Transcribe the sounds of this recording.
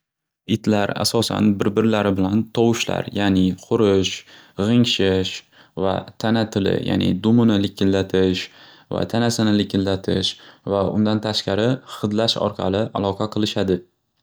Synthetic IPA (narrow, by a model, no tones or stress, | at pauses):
ɪt̪ʰlaɾa̰sɒsa̰nbɪɾbɪɾlaɾɪbɪlant̪ʰɒwɪʃla̰ɾjanɪqʰʊɾɪʃ | ʁɨŋʃɪʃ | va̰t̪ʰanat̪ʰɪlɪ̰ja̰nɪ̰d̪ʊmɪnɪlɪkʲʰːɪlːat̪ʰɪʃ | va̰t̪ʰanasɪnɪlɪkʲʰɪlːat̪ʰɪʃvaʊ̰nd̪ant̪ʰaʃqɑɾɪχɨd̪laʃɒ̰ɾqʰɑ̰lˠɪʔalˠɒqʰɑqʰɨlˠɪʃad̪ɪ